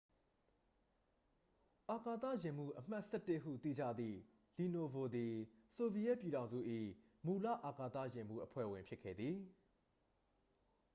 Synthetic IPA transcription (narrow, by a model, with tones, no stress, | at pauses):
ʔa˨ka˨t̪ä̰˦˨jɪ̃˨m̥ṵ˦˨ʔəm̥a˦ʔsɛ˦tːɪ˦ʔɦṵ˦˨t̪ḭ˦˨d͡ʑa̰˦˨d̪ðḭ˦˨ | li˨no˨vo˨d̪i˨so˨bi˨jɛ˦˨pji˨ɾã˨ʊ̃zṵ˦˨ʔḭ˦˨ | mu˨la̰˦˨ʔa˨ka˨t̪ä̰˦˨jɪ̃˨mṵ˦˨ʔəpʰwɛ̰˦˨wɪ̃˨mpʰjɪ˦kʰːɛ̰˦˨d̪ði˨